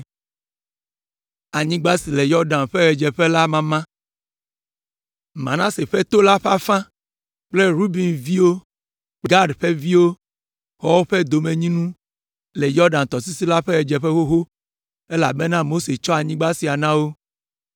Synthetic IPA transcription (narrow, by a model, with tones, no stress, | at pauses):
a˨ɲĩ˦ɡ͡ba˦si˨le˨jɔ˦ɾɖã˨nɸɛ˦ɣɛ˨d͡ʒɛ˨ɸe˦la˦mã˦mã˦ | mã̰˨nã˦se˨ɸɛ˦t̪o˦la˦ɸa˦fã˦ | k͡ple˦ɾu˦bi˨nvi˦wo˦ | k͡pɡa˦ɖɸe˦vi˦wo˦ | xɔ˦wo˦ɸe˦d̪o˨me˨ɲĩ˦nũ˦ | le˨jɔ˦ɾɖã˨nt̪ɔ˨si˦si˦la˦ɸɛ˦ɣɛ˨d͡ʒɛ˨ɸe˦wo˦ɦo˦ | e˦la̰˨bɛ˦nã˦mo˦se˨t͡ʃɔ˦a˨ɲĩ˦ɡ͡ba˦si˨a˨nã˦wo˦